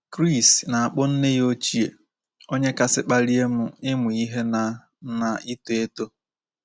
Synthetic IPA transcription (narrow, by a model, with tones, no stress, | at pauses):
kɾi˦˨sna˨a˨k͡pʊ˦n̩˦ne˦jo˦t͡ʃi˦e˨ | o˦ɲe˦ka˦sɪ˦k͡pa˦ɾi˦e˦mʊ˨ɪ˦mʊ˨i˦ɦe˦na˨ | na˨i˦to˨e˦to˦